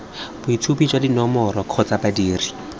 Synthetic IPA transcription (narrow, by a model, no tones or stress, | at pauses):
b̥ʊitʰupid͡ʒwadinɔmɔɾɔkʰɔt͡sabadiːri